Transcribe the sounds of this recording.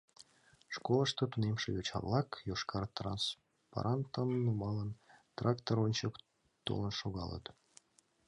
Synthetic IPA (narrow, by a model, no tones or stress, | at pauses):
ʂkolˠəʃt̪ot̪unemʃejot͡ɕɑ̰βlˠɑkjoʃkɑrt̪rɑ̰ns | pa̰ɾʔɑnt̪əmnumɑlˠənt̪rʔɑkt̪oɾonʲt͡ɕək | t̪o̰lˠənʃoɣɑlˠə̰t̪